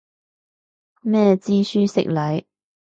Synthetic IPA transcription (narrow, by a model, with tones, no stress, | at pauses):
mɛː˥˧t͡siː˥syː˥sɪ̰˨k̚lɐ˨˧j